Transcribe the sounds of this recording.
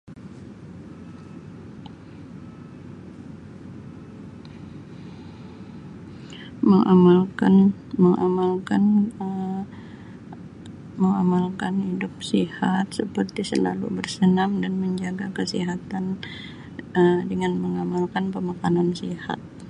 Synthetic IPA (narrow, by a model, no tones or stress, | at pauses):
məŋamalkan | məŋʔa̰malkan | məŋamalkanhidʊp̚sihat̪̚səpərt̪isəla̰lṵbərsənamdanməɲd͡ʒaɡakəsiɦat̪an | ədəŋanməŋamalkanpəmakanansiha̰t̪̚